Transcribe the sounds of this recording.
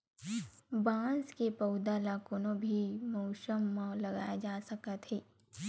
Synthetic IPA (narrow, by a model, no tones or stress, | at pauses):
bãːskepɐʊd̪alakoːnõbʱimoːʃəmːalɐɡaːjad͡ʒaːsɐkət̪ɦeː